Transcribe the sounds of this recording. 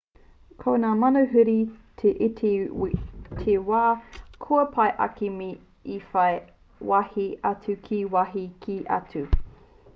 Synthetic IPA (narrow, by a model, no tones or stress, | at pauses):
kʰonaːmɐnɐɦʉɾitʰeʔitʰe | tʰewaːkʰuɐpʰɐjʔɐ̰kimi | ifɐj | wɐhiɐt͡sʉkʰiwɐɦikʰiʔɐ̰tʉ